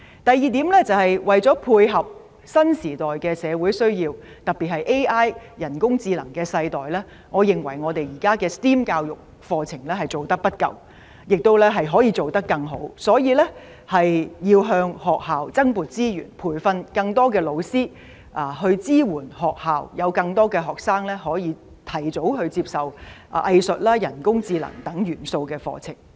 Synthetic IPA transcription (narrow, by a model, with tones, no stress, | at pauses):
t̪ɐ˨jiː˨˧t̪iː˨˥mlɛ˥t͡sɐ˨whɐ˨jwɐ˨jt͡sɔː˨˥pʰuː˧jɦɐ˨p̚ | sɐ˥nsiː˨˩t̪ɔː˨jkɛː˧sɛː˨˧wu˨˥jsɵ˥ɥjiː˧w | t̪ɐ˨˩pi˨˩t̚hɐ˨jʔe˥jʔaː˥jjɐ˨˩nkʊ˥ŋt͡siː˧lɐ˨˩ŋkɛː˧sɐ˧jt̪ɔː˨jlɛː˥ | ŋɔː˨˧jɪ˨ŋwɐ̰˨˩jŋɔː˨˧t̪e˨jjiː˨˩kaː˥kɛː˧st̪iː˥mkaː˧wjʊ˨k̚ | fɔː˧t͡sʰɪ˨˩ŋlɛː˥ɦɐ˨jt͡so˨wt̪ɐ˥k̚pɐ˥t̚kɐ̰˨w | jɪ˨k̚t̪o˥wlɛ˥ɦɐ˨jɦɔː˨˥jiː˧t͡so˨wt̪ɐ˥kːɐ˧ŋɦo˨˥wsɔː˨˥jiː˨˧lɛ˥ | hɐ˨jjiː˧wɦœː˧ŋhɔː˨k̚haː˨wt͡sɐ˥ŋpuː˨t̚t͡siː˥jy̰ː˨˩npʰuː˨˩jfɐ˧nkɐ˧ŋt̪ɔː˥k̬ɛː˧lo˨˧wsiː˥ | ʔaː˨˧hɵ˧ɥt͡siː˥wuː˨˩nhɔː˨k̚haː˨wjɐ˨˧wkɐ˧ŋt̪ɔː˥kɛː˧ɦɔː˨k̚saː˥ŋlɛ˥ɦɔː˨˥jiː˨˧ | t̪ʰɐ˨˩jt͡so˨˥wɦɵ˧ɥt͡siː˧psɐ˨˩wʔʔɐ˧jsɵ˨t̚laː˥jɐ˨˩nkʊ˥ŋt͡siː˧lɐ̰˨˩ŋt̪ɐ˨˥ŋjyː˨˩nso˧wkɛː˧fɔ̰ː˧t͡sʰɪ˨˩ŋ